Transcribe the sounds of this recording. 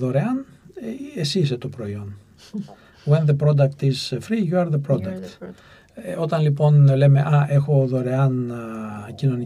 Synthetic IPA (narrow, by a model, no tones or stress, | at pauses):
ðo̞ɾeɐn | esiset̪opɾo̞io̞n | wenðepɾo̞d̪ɐk̚t̪iz̥fɾijuɐɾðepɾod̪ɐkt̪ | ot̪ɐnlipo̞nle̞me̞ʔɐʔe̞xo̞ðo̞ɾe̞ɐn | cino̞ni